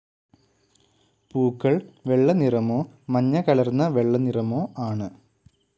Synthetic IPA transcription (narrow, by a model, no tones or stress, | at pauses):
puːkːɐɭʋe̞ɭːɐnirɐmoːmɐɲːɐkɐɭɐrnːɐʋe̞ɭːɐnirɐmoːaːɳɨ